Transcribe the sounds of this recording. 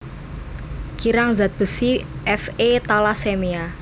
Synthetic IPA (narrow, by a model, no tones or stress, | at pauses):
kiɾaŋzat̪̚b̥ə̤siʔɛfet̪alasemia